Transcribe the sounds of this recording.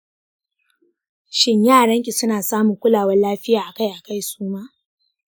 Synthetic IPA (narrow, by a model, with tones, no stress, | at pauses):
ʃɪ˦ɲjaː˦˨ɽɐ˦ŋkʲi˨sʊ˦naː˨saː˦mʊ˨ŋkʷʊ˦laː˨wɐ˦nlaː˦ɸɪ˦jaː˨ʔa˨ka˦jʔa˨ka˦˨jsuː˦maː˦